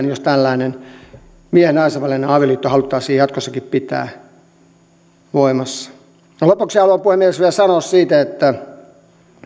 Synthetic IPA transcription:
njost̪ælːæinen | miehenɑisɑʋɑlːeneɑːʋiɑliːt̪ːohɑlut̪ːɑːsiːjɑt̪kosːɑkippit̪æ̰ː | ʋoimɑsːɑ̥ | jɑlopuksɑlopuhemːiesʋielsɑnoːssiːt̪æet̪ːæ

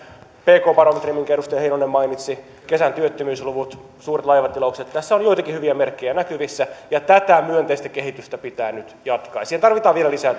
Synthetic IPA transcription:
peːkoːpɑromet̪rimːiŋkerust̪eheinonemmɑinit̪si | kesænt̪yøt̪ːømyːsluʋut̪ | suːret̪lɑjʋɑt̪iloukset̪t̪æsːæonjoit̪ɑkihyʋiæmerkːejænækyʋisːæjɑt̪æt̪æmyønt̪eist̪ækehit̪yst̪æpit̪æːnyt̪jɑt̪kɑːjsiːhent̪ɑrʋit̪ɑːʋielælisæː

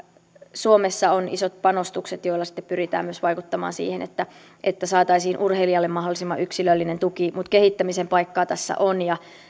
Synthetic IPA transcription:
suo̞mesːɑonḭso̞t̪̚pɑnost̪ukset̪jo̞ilːɑsi̥t̪ːe̥ppyɾit̪æ̰ːmyøsʋɑjkut̪ːɑmɑ̰ːnsḭːhenet̪ːæ | ʔet̪ːæsɑːt̪ɑisiːnʔurheliɑlːemmɑɦdolˑisimːɑʔyksilølːinent̪ukimut̪keɦit̪ːæmisempɑjkːɑːt̪æsːæ̰ʔonjɑ

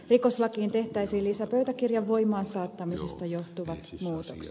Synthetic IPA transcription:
rikoslɑkiːnt̪eht̪æisiːlisæpøyt̪ækirjɑʋʋoimɑːnsɑːt̪ːɑmisest̪ɑjoht̪uʋɑt̪muːt̪oks

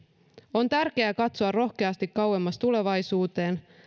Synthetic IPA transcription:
o̞nt̪ærk̟e̞ækɑt̪soɑrro̞xke̞ɑst̪ikkɑwe̞mːɑst̪ule̞ʋɑjsuːt̪e̞ːn

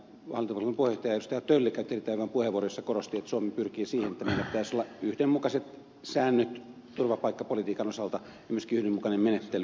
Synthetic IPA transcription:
ʋɑ̰lit̪opɑlkompuˑhejoht̪ɑjɑeust̪ɑjɑt̪ølːekæˑynt̪erit̪ːˑæːʋæʋæmpuheʋuorojosːɑkorost̪iet̪ːsuomipyrkiːsiːhenet̪ːæmeilːæpi̥t̪æˑisolːɑyhdemmukɑset̪ | sæːnːøt̪ | t̪urʋɑpɑikːɑpolit̪iːkɑnosɑlt̪ɑ | jɑmyøskiːyhdemmukɑnemmenet̪ːely

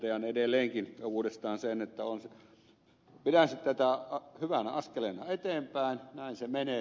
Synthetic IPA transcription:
t̪eɑnedelːˑeːŋkinuːdest̪ɑːnsenet̪ːæons | pitæsit̪tæt̪æhyʋænæɑskelenɑet̪eːmpæˑinnæˑinsemeneː

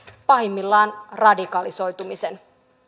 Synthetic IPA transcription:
pɑɦimːilːɑːnrɑdikɑliso̞jt̪umisen

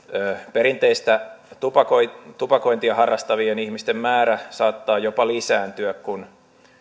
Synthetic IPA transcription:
øːpeɾint̪eist̪æt̪upɑkoit̪upɑko̞int̪iɑhɑrːɑst̪ɑʋienihmist̪emmæːɾæsɑːt̪ːɑːjopɑlisæːnt̪yækkun

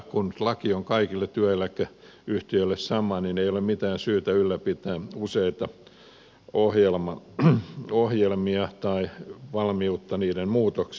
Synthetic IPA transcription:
kunlɑkioŋkɑikilːet̪yæilːækːæ | yht̪iølːessɑmˑɑnineijolemmit̪æːnsyːt̪æylːæpit̪æːuseit̪ɑ | ohjelmɑ | ohjelmiɑt̪ɑiʋɑlmiut̪ːɑniːdemmuːt̪oks

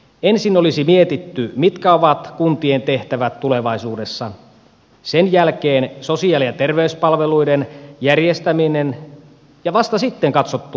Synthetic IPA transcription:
ensinolisimiet̪it̪ːymit̪kæoʋɑt̪kunt̪ient̪e̞ht̪æʋæt̪tule̞ʋɑisuːdesːɑ | senjælkeːnsosiɑlijɑt̪erʋeyspɑlʋeluidenjærjest̪æminen | jɑʋɑst̪ɑsit̪ːeŋkɑt̪sot̪ːu

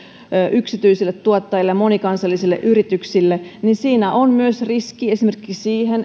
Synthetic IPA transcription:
øʔyksit̪yisilːet̪tuot̪ːɑjilːemonikɑnsɑlːisilːḛʔyɾit̪yksilːeninsiːnæʔonmyøsriskiesimerkiksiːhen

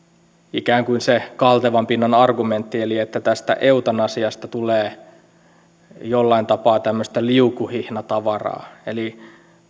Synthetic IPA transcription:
ikæːŋkuinsekɑlt̪eʋɑmpinːɑnɑrɡument̪ːieliet̪ːæt̪æst̪æ̰ʔeut̪ɑnɑsiɑst̪ɑt̪uleː | jolːɑint̪ɑpɑːt̪æmːøst̪æliukːuhihnɑt̪ɑʋɑrɑ̰ːeli

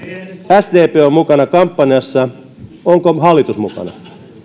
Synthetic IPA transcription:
æsd̪eːpeːommukɑnɑkɑmpːɑnjɑsːɑ | oŋkoɦɑlːit̪usmṵkɑ̰nɑ̰

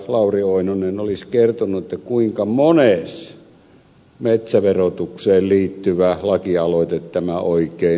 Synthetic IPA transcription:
lɑˑurioˑinonenoliskert̪onːuet̪ːækuiŋkɑmones | met̪sæʋerot̪ukseːlliːt̪ːyʋælɑkiɑloˑit̪et̪tæmæoikˑeː

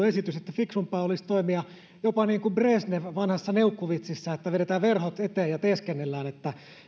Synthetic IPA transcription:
esit̪yset̪ːæfiksumpɑːolist̪oimiɑ | jopɑniːŋkumbresneʋɑnhɑsːɑneukːuʋit̪sisːæet̪ːæʋeɾet̪æːʋʋerhot̪et̪eːjjɑt̪eːskenːelːæːnet̪ːæ

